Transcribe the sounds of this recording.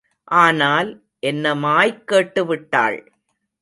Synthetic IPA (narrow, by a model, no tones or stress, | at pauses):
ʔaːnaːl | ʔɛnːɐmaːjkːeːʈːɯʋɪʈːa̰ːɭ